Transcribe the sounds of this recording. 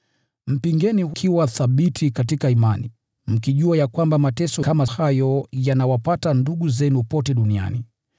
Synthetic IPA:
m̩piŋɡɛnikʰiwaθaɓitʰikatikaimani | m̩kiʄuajakwambamatɛsɔkamahajɔjanawapatanduɠuzɛnupɔtɛɗunia̰ni

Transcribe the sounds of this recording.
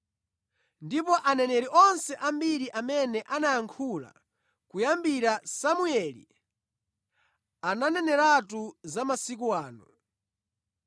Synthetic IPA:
ndipɔʔanɛnɛɾiʔɔnsɛʔambiɾiʔamɛnɛʔanajaŋkʰula̰ | kujambiɾasamuɛlḭ | ananɛnɛɾatuzamasikuwaːnṵ

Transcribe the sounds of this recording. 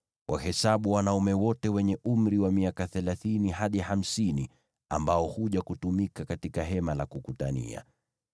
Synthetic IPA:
wʔahɛsaɓuwanaumɛwɔtɛwɛɲɛʔum̩ɾiwamiakaθɛlaθiniɦaɗiham̩sini | a̰mbaɔhuʄakutumikakatikaɦɛmalakukutanḭa̰

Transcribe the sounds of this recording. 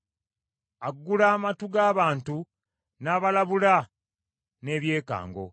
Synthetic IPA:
aɡːulaːmatuɡaːβaːntu | naːβalaβula | ne̞ːβje̞ːka̰ːŋɡo̞̰

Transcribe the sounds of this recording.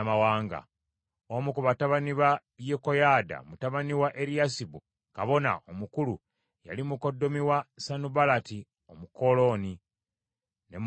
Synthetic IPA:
mawaːŋɡa̰ | omukuβataβaniβajekojada̰mutaβaniwaʔeɾijasibu | kaβo̞na̰omukulu | ja̰limuko̞dːo̞miwasanubalati | omuko̞lo̞ni | nem

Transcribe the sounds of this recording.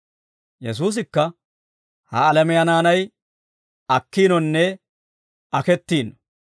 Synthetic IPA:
jɛs̬uːs̬ɪkːɐ | hɐːlɛmɛjɐnaːnɐj | ɐkːiːnɔnːɛ | ɐkɛt̪ːiːnɔ

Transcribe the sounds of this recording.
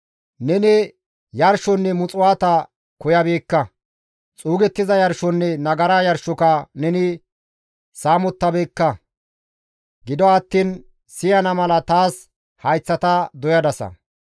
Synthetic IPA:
nɛnɪ | jɐɾʃɔnːɛmʊt͡sʼʊwaːt̪ɐ | kɔjɐbeːkːɐ | t͡sʼuːɡɛt̪ːɪzɐjɐɾʃɔnːɛnɐɡɐɾaːjɐɾʃɔkɐnɛnɪ | saːmɔt̪ːɐbeːkːɐ | ɡɪd̪ɔɐt̪ːiːn | sɪjɐnɐmɐlɐt̪aːs | hɐjt͡sːɐt̪ɐd̪ɔjɐd̪ɐsɐ̰

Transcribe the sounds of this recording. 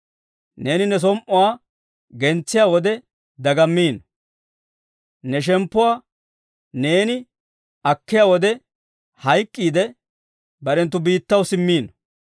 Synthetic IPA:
ne̞ːnɪnɛs̬ɔmʔɔwaː | ɡɛnt͡sːɪjaːwɔd̪ɛ | d̪ɐɡɐmːiːnɔ | nɛʃ̬ɛmpːʊwaː | ne̞ːnɪ | ɐkːɪjaːwɔd̪ɛ | hɐjkʼːiːd̪ɛ | bɐɾɛnt̪̬ːʊbiːt̪ːɐwsɪmːiːnɔ

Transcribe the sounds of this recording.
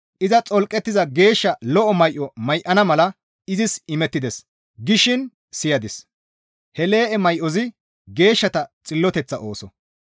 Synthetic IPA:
ʔɪzɐt͡sʼɔlkʼːɛt̪ːɪzɐɡe̞ːʃːɐlɔʔɔmɐjʔɔmɐjʔɐnɐmɐlɐ | ɪzɪsɪmɛt̪ːɪd̪ɛs | ɡɪʃɪn | sɪjɐd̪ɪs | hɛle̞ːʔɛmɐjʔɔzɪ | ɡe̞ːʃːɐt̪ɐt͡sʼɪlːɔt̪ɛt͡sːɐʔo̞ːsɔ

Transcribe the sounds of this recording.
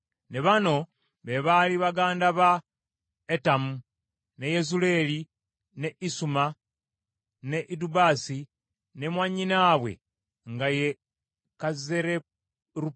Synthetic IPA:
neβano̞ | βe̞βaliβaɡaːndaβa | etamu | ne̞jezule̞ːli | ne̞ʔisuma | ne̞ʔidubaːsi | ne̞mwaɲinaːβwe̞̰ | ŋɡaje | kazeɾe | ɾu

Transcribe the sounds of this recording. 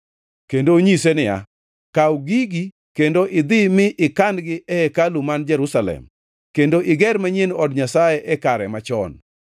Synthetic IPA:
kendoɲisenɪja̰ | kawɡiɡi | kendoʔɪd̪ɪmɪʔɪkandɡɪʔɛɛkalumand͡ʒɛɾusalɛ̰m | kendoʔɪɡɛɾmaɲenɔdɲasajeʔɛkaɾɛmat͡ʃɔ̰n

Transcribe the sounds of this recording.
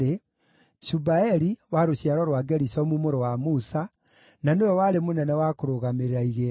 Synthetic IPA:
e | ʃubaɛɾiwaɾoɕjaɾɔɾwaɡɛɾisɔmumoɾowamusa | nanewɔwaɾemonɛnɛwakoɾoɣameɾeɾaiɣeː

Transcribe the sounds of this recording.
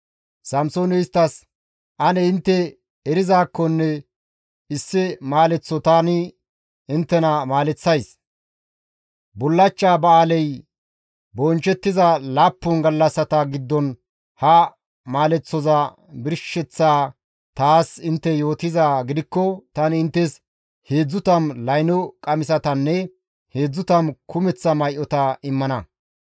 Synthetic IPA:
sɐmsoːnɛɪst̪ːɐs | ʔɐnɛɪnt̪ːɛ | ɛɾɪzaːkːɔnːɛ | ɪsːɪmaːlɛt͡sːɔt̪aːnɪ | ɪnt̪ːɛnɐmaːlɛt͡sːɐjs | bʊlːɐt͡ʃːaːbɐaːlɛj | bɔnt͡ʃɛt̪ːɪzɐlaːpːʊnɡɐlːɐsːɐt̪ɐɡɪd̪ːɔn | hɐ | maːlɛt͡sːɔzɐ | bɪɾʃɛt͡sːaː | t̪aːsɪnt̪ːɛjo̞ːt̪ɪzaːɡɪd̪ɪkːɔt̪ɐnɪnt̪ːɛs | he̞ːd͡zːʊt̪ɐmlɐjnɔkʼɐmɪsɐt̪ɐnːɛ | he̞ːd͡zːʊt̪ɐmkʊmɛt͡sːɐmɐjʔɔt̪ɐɪmːɐnɐ

